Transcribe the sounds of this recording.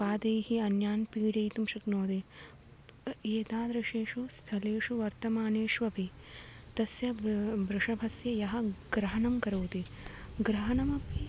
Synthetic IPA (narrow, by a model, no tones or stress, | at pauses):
paːd̪ɐjhiɐnjaːnpiːɽɐjt̪umʃɐknoːd̪i | eːt̪aːd̪ɾɐʃeːʂust̪ʰɐleːʂuʋɐɾt̪ɐmaːneːʂʋɐpit̪ɐsjɐbɾɪʂɐbʱɐsjɐjɐɦɐ̆ɡɾɐɦɐnɐmkɐɾɐwt̪i | ɡɾɐɦɐnɐmɐpi